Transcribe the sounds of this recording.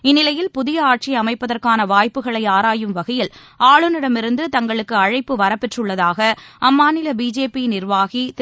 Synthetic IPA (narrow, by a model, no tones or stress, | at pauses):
ɪnːɪlɐjɪlpʊðɪjɐaːʈ̚t͡ʃiɐmɐɪpːɐðɐrkaːnɐʋaːjpːɯɣɐɭɐɪaːɾaːjɯmʋɐɣɐjɪl | aːɭɯnɪɽɐmɪɾɯnd̪ɯt̪ɐŋɡɐɭɯkːɯɐɻɐɪpːɯʋɐɾɐpːɛʈrɯɭːɐðaːɣɐɐmːaːnɪlɐbiːd͡ʒeːpinɪrʋaːɣit̪